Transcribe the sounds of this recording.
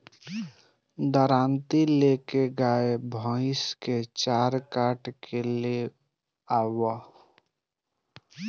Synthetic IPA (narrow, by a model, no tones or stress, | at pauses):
d̪əɾaːnt̪ilekeɡaːebʱə̃ɪsket͡ʃaːɾkaːʈkʰele | aːwa